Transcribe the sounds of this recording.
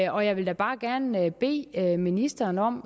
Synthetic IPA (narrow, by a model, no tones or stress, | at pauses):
ɒ̽jɑ̈ɪʋe̝ld̥æb̥ɑ̈ːɡ̥æɐnb̥e̝̰ːminisd̥ɐːnɒ̽m̰